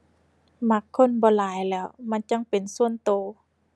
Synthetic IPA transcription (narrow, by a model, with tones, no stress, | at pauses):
ma˧˥kʰːo˧˥˨nbɔː˧˦laː˨˦jlɛː˧˩˨wma˧˥˨nt͡ɕa˧˥˨ŋpe˨nsu˧˩ənt̪oː˨˩˦